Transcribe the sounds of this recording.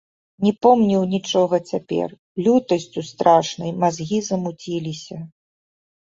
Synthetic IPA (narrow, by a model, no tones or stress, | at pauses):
nʲɛpɔmnʲiwnʲit͡ʂɔɣɐt͡sʲapʲɛ̰r | lʲut̪ɐsʲt͡sʲust̪ɾaʂnɐjmazɣʲizɐmut͡sʲilʲisʲɐ